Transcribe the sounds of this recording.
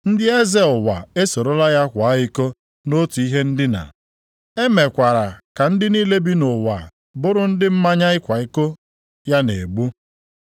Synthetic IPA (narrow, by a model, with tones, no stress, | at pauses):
n̩˦dɪ˦e˦ze˦ʊ˨wa̰˨e˦so˨ɾo˦la˦ja˦kʷa˨˦i˦ko˦ | no˦tu˨i˦ɦe˦n̩˦dɪ˦na̰˨ | e˦me˨kʷa˨ɾa˨ka˨n̩˦dɪ˦niː˦le˦bi˦nʊ˨wa̰˨ | bʊ˦ɾʊ˦n̩˦dɪ˦m̩˦ma˦ɲa˦ɪ˦kʷa˨i˦ko˦ | ja˦ne˨ɡ͡bu˦